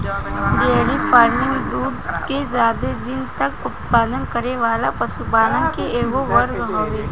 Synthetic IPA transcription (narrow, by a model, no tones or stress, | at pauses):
ɾeːɾifʰaːɾmɪ̃ŋɡd̪uːd̪ked͡ʒaːd̪ed̪ɪnt̪ɐkʊt̪paːd̪ənkəɾeʋaːlapɐsupaːnə̃nkeʔeːɡoʋɐɾɡɦoːʋe